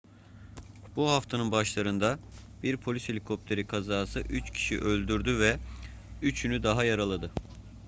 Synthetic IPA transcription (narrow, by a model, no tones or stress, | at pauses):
b̥uɦaft̪ʰanɯnbaʃlˠaɾɯnd̪a | biɾpʰolʲyshe̞lʲikʰo̞p̚t̪ʰe̞ɾikʰazaːsɯʔyt͡ʃcʰi̥ʃḭʔø̞lʲd̪yɾd̪yvɛ | yt͡ʃʰynyd̪aɦajaɾalˠad̪ɯ